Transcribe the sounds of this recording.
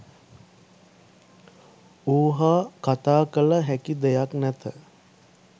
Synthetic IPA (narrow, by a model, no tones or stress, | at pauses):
uːɦaːkat̪aːkələɦækid̪ejaknæt̪ə